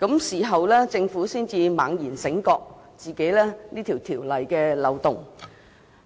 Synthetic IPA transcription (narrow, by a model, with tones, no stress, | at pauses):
kɐ˨˥msiː˨˩ɦɐ˨wlɛː˥t͡sɪ˧ŋfuː˨˥siː˥˩nt͡siː˧ma̰ː˨˧ŋjiː˨˩nsɪ˨˥ŋkɔː˧k̚ | t͡siː˨ke˨˥jlɛː˥niː˥t̪ʰiː˨˩wt̪ʰiː˨˩wlɐ˨jkɛː˧lɐ˨˧wt̪ʊ˨ŋ